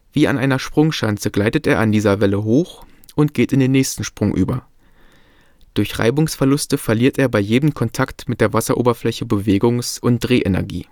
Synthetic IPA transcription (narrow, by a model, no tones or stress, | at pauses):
v̥iːa̰nʔaɪnɐʃpʁ̥ʊŋʃant͡səɡlaɪtətʔeːɐandiːzɐvɛləɦoːx | ʔʊnt̚ɡ̥eːtɪndeːnɛːçstn̩ʃpʁ̥ʊŋʔy̰ːbɐ | d̥ʊɐçʁa̰ɪbʊŋsfɛɐlʊstəfɛɐliːɐtʔeːɐbaɪjeːdəmkʰɔntʰaktmɪtd̥eːɐvasɐʔo̰ːbɐflɛçəbəveːɡʊŋsʔʊnt̚d̥ʁeːʔɛnɛ̰ɐɡḭː